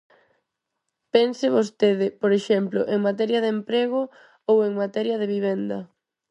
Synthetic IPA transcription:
pensɪβost̪eðɪpoɾeʃɛmplo̰ʔeŋmat̪ɛɾjɐðempɾeɣʊ | oweŋmat̪ɛɾjɐð̞eβiβ̞ɛnd̪ɐ

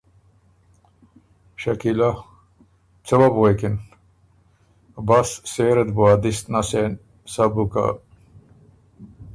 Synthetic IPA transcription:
ɕɐkila | t͡səwabwekin | basːeɾed̪buad̪ist̪nasen | sabuka̰

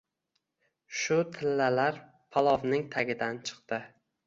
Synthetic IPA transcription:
ʃʊt̪ʰɪlːalaɾ | pʰɒlˠɒvnɪŋt̪ʰaɡʲɪd̪ant͡ʃʰɨ̥qt̪ɪ

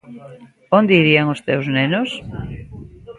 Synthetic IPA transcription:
ond̪eiɾiaŋʊst̪ewznenos

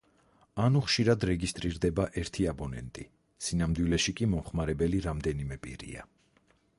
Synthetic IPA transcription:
anuχʃiɾad̪ɾɛɡist̪ʼɾiɾd̪ɛbaʔɛɾt̪ʰiabɔnɛ̰nt̪ʼi | sinamd̪wilɛʃikʼimɔmχmaɾɛbɛliɾamd̪ɛnimɛpʼḭɾḭa̰

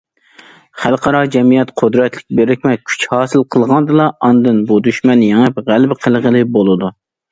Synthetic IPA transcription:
χælˠqʰɑɾɑd͡ʒɛmijɛt̪qʰʊd̪ɾɛt̪lɪk̚ʲbeɾɪkʲmɛt̪̚kʲʰy̥t͡ʃhɑːsɨlˠqʰəlˠʁɑnd̪ɨlˠɑʔɑnd̪ɨnbud̪yʃmɛnjeŋɨpʁælbqʰəlˠʁəlˠɨbolˠɨd̪u

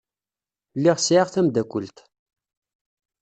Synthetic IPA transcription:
lːiʁsʕaʁθæmd̪ækʷːəlt̪

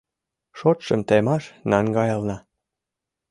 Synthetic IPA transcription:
ʃot̪ʃəmt̪emɑʃnɑŋɡɑjɑlnɑ

